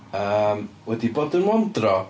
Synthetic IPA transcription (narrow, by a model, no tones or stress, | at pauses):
əːmwɛdiboːdənmɔndrɔ